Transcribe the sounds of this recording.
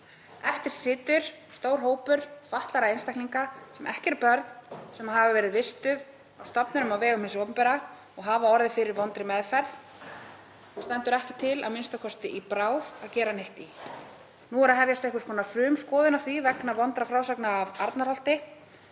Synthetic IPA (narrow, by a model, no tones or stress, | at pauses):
ɛft̪ɪɾ̥sɪːt̪ʏɾ̥ | st̪oːwɾ̥ɦoːwpʏɾ̥faht̪laɾaejnst̪akliŋkasɛmʔɛhcɛɾpœɾt̪n̥sɛmaɦaːvavɛːɾɪðvɪst̪ʏð | awst̪ɔpnʏnʏmawvɛːɣʏmɪnsɔːpʏmpɛɾa | ɔɣɦaːvaɔɾðɪfɪɾɪɾvɔnt̪ɾɪmɛðfɛɾð | st̪ɛnt̪ʏɾɛhcɪt̪ʰɪla̰ðmɪnst̪akʰɔst̪ɪʔipɾaːwðaðcɛːɾanɪht̪i | nuɛɾaðɦɛvjast̪ehkʏskʰɔːnafɾʏːmskɔːðʏnaθivɛknavɔnt̪ɾafɾaːwsaknaːvaɾt̪naɾhal̥t̪ɪ